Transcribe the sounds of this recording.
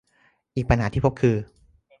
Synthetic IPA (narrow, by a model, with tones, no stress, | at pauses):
ʔiː˨˩k̚pʰa˧nɦaː˩˦iː˥˩pʰo˦˥p̚kʰɯː˧